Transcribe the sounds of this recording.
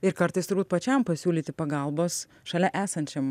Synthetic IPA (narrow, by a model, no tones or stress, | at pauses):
ɪɾkɐɾt̪ɐɪst̪ʊɾbuːt̪pɐt͡ʃʲɛmpɐsʲuːlʲiːt̪ʲɪpɐɡɐˑlˠboːs | ʃɐlʲɛʔæːsɐnʲt͡ʃʲɛm